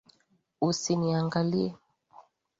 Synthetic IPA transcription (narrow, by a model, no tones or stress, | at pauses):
usiniaŋɡaliɛ